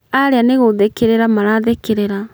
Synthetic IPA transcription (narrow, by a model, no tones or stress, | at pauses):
aɾeaneɣoðekeɾeɾamaɾaðekeɾeɾa